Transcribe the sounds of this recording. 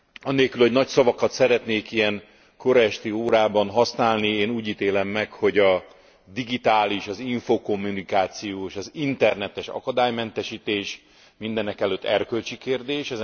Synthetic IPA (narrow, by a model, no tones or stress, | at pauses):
ɒnːeːlkylhonɒcsɒvɒkɒt̪sɛɾɛt̪neːkijɛŋ | koɾɛʃt̪ioːɾaːbɒnɦɒsnaːlnieːnuːɟiːt̪eːlɛmːɛkho̞ɟɒ | d̪iɡit̪aːliʃɒziɱfoːko̞mːunikaːt̪sijoːeʃɒzint̪ɛrnɛt̪ɛʃɒ̰kɒd̪aːjmɛnt̪ɛʃiːt̪eːʃ | mind̪ɛnɛkɛløt̪ʰːɛrkø̞lt͡ʃikeːrd̪eːʃɛz